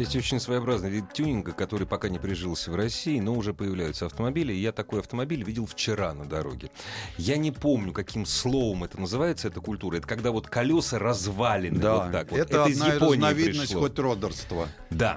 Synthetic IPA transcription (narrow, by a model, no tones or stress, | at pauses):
jʲesʲtʲot͡ɕɪnʲsvəjɐbɾaznəjʲɪtʲːunʲɪnɡəkɐt̪o̞ɾɨjpɐkanʲɪpɾʲɪʐɨlˠsʲvrɐsʲiːno̞ʊʐɛpəjɪvlʲæjʊt̪səɐft̪əmɐbʲilʲɪːjat̪ɐko̞jɐft̪əmɐbʲilʲvʲidʲɪlˠft͡ɕɪɾanəd̪ɐɾo̞̰ɡʲɪjanʲɪpo̞mnʲʊkɐkʲimslˠo̞vəmɛt̪ənəzɨvajɪt̪səɛt̪əkʊlʲt̪uɾəɛt̪əkɐɡd̪avo̞t̪kɐlʲo̞sərɐzvalʲɪnɨaot̪ːakvoɛt̪ɛətːɐdəɪzajɪponʲɪɪavʲiɾɪʂnəslˠʲoxotʲrod̪ərst̪və | d̪a